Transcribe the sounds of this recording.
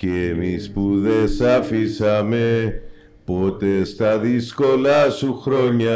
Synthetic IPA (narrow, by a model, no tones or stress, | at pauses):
cemispuðesafisame | pot̪est̪aðiskolasuxɾoɲa